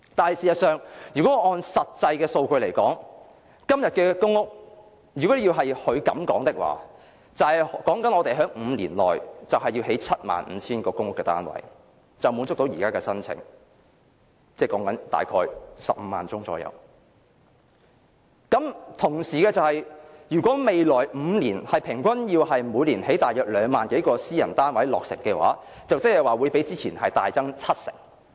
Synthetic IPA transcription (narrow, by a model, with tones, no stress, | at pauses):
t̪aː˨nhɐ˨˩siː˨jɐ˨t̚sœː˨ŋjyː˨kɔː˨˦˥ŋɔː˧nsɐ˨t̚t͡sɐ˧jkɛː˧so˧wkɵ˧le˨˩jkɔː˨˥ŋ | kɐ˥mjɐ˨t̚kɛː˧kʊ˥ŋːʊ˥k̚ | jy˨kɔ˨˥˨jiː˧wɦɐ˨jhɵ˨˧ɥkɐ˨˥mkɔː˨˥ŋt̪ɪ˥k̚wa̰ː˨ | t͡sɐ˨whɐ˨jkɔː˨˥ŋkɐ˨˥nɔː˧t̪e˨jɦœː˨˥ŋm̩ː˨˧liː˨˩nlɔː˨˩jt͡sɐ˨wɦɐ˨jːiː˧wɦe˨˥jt͡sʰɐ˥t̚ma̰ː˨nm̩˨˦t͡sʰiː˥nkɔː˧kʊ˥ŋʊ˥kːɛː˧t̪a̰ː˥nwɐ̰˨˩j | t͡sɐ˨wmuː˨˧nt͡sʊ˥k̚t̪o˨˥wjiː˨˩kaː˥kɛː˧sɐ˥nt͡sʰɪ̰˨˩ŋ | t͡sɛː˥˩kɔː˨˥ŋkɐ˨˥nt̪a̰ː˨˩jkʰɔː˧˥jsɐ˨p̚m̩ː˨˧ma̰ː˨nt͡sʊ˥ŋt͡sɔ̰ː˧jɐ̰˧w | kɐ˨˥mt̪ʰʊ˨˩ŋsiː˨˩kɛː˧t͡sɐ˨˧whɐ˨jjyː˨˩kʷɔː˨˥me˨jlɔː˨˩jm̩˨˧liː˨˩nhɐ˨jpʰɪ˨˩ŋkʷɐ˥njiː˧whɐ˨jmuː˨˧˥liː˨˩nhe˨˥jt̪aː˨jœː˨k̚lœː˨˧ŋmaː˨nke˨˥jkɔː˧siː˥jɐ˨˩nt̪aː˥nwɐ˨˥jlɔː˨k̚sɪ˨˩ŋkɛː˧wa̰ː˨˥ | t͡sɐ˨wt͡sɐ˥hɐ˨jwaː˨wuː˨˧jpe˨˥jt͡siː˥t͡sʰiː˨˩nhɐ˨jt̪aː˨jt͡sɐ˥ŋt͡sʰɐ˥t̚sɪ̰˨˩ŋ